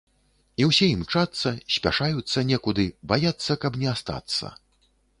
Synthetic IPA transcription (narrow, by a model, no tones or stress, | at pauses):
iwsʲɛjimt͡ʂat̪sːɐsʲpʲa̰ʂajut̪sːɐnʲɛkud̪ɨbajat̪sːɐkɐbnʲɛast̪a̰t̪sːɐ̰